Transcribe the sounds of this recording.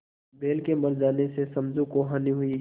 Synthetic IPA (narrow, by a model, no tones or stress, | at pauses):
beːlkemɐɾd͡ʒaːnesesɐ̃md͡ʒũkoɦaːniɦʊi